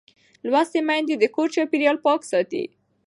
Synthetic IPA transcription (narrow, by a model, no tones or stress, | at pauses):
lwast̪emajnd̪ed̪əkoɾt͡ʃɑpiɾijɑlpɑksɑt̪ḭ